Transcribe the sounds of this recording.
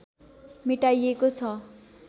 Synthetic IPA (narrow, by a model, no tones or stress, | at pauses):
miʈajekot͡sʰʌ